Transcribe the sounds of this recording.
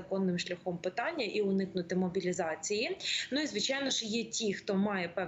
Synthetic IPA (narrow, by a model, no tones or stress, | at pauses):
ɐkɔnːɪmʃlʲɐxɔmpɪt̪ɑnʲːɐʔiʊnɪknʊt̪ɪmɔbʲilʲizɑt͡sʲijinʊizʋɪt͡ʃɑjnɔʃjɛtʲixt̪ɔmɑjɛpɛ